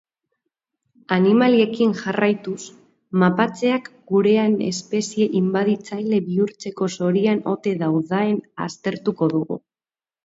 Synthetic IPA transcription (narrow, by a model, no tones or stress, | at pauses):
animalie̞kinʝarajt̪us | mapat͡se̞akɡuɾe̞ane̞̰spe̞sie̞ʔimbaðit͡sajle̞βiuɾt͡se̞ko̞so̞ɾiano̞̰t̪e̞ðawðaena̰st̪e̞ɾt̪uko̞ðuɣṵ